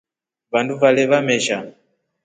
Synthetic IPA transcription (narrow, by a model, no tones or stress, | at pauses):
vanduvalɛβamɛʃa